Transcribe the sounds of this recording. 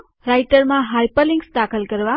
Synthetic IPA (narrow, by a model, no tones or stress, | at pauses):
ɾajʈəɾmaɦajpəliŋɡsd̪akʰəlɡəɾʋa